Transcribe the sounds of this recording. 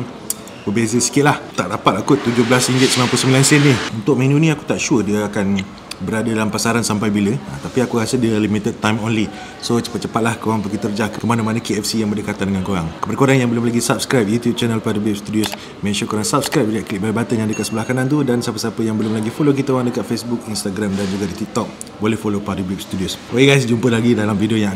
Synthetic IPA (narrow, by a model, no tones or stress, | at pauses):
bəbezəsi̥kɪt̪̚laht̪aʔdapat̪̚akut̪ːud͡ʒʊhblasiŋɡɪt̪səmilanplusəmbilansɛnnihunt̪ʊk̚mẽnuniaku̥t̪aʔʃuədiəakan | bəɾadadalampasaɾansampajbiləat̪apiakuɣasɪldiəlimit̪əd̪̚t̪ːajmonli | sot͡ʃə̥pat̪̚t͡ʃəpat̪̚lahkoɾaŋpəɡit̪ərd͡ʒaʔkəkəmanamanəkeɛfsijaŋbərdəkat̪andəŋankoɾaŋkə̥padəkoɾaŋjaŋbəlʊmlaɡisap̚skɾajp̚jut̪jub̚t͡ʃɛnəlpadəbip̚st̪udiʊs | mɛ̃nʃənkoɾaŋsap̚skɾajp̚d͡ʒaʔ̚klit̚bəlbat̪ənjaŋdəkat̪səbəlahkanant̪̬udansapəsapəjaŋbəlʊmlaɡifolok̬it̪əoaŋdəkat̪̚fesbuk̚inst̪aɡɾamdand͡ʒuɡadit̪ik̚t̪ɔk̚ | bolehfolopadibip̚st̪udiosokeɡajs̬d͡ʒumpəlaɡidalamfidioja